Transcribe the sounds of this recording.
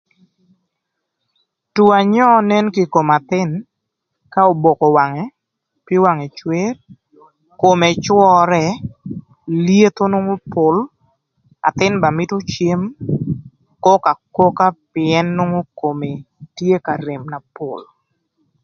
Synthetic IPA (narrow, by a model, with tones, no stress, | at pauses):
tu˨a˨ɲɔ˦ne˦nki˨ko˨ma˨t̪ɪ˦n | ka˦o˨bo˨kɔ˨wa˨ŋɛ˨˦ | pɪ˦wa˨ŋɛ˨t͡ʃwe˦r | ko˨mɛ˨t͡ʃwɔ˦ɾɛ˦ | lje˦t̪o˦no˦ŋo˦pʊ˨l | a̰˨t̪ɪ˦nba˨mɪ˦to˦t͡ʃje˦m | kɔ˦ka˨ko˦ka˦pɪɛ˦nːo˦ŋo˦ko˨me˨ | tje˦ka˨ɾe˨mna˨po̰˨l